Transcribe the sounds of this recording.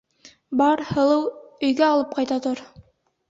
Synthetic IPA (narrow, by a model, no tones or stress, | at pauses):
bɑɾhɤ̆lˠɤwɵ̆jɡæɑlˠɤp̚qɑjt̪ɑt̪oɾ